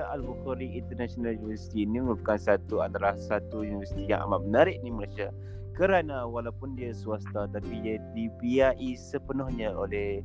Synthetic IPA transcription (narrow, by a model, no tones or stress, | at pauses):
ʔalbuxɔɾiʔint̪ənasionaljunivəɾsi̥t̪iːniməŋupəkansat̪uadalahsat̪ujunivəsi̥t̪ija̰ŋʔa̰mamənaɾɪʔ̚niməlasia | kəɾanawalaupʊndiasuast̪at̪apidadibiaʔisəpənʊhɲaolɛh